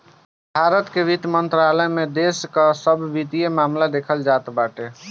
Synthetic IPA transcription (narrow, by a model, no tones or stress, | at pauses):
bʱaɾət̪keʋit̪mənt̪ɾaləmed̪eskəsəbʱʋit̪ijemamlad̪ekʰəld͡ʒat̪baʈe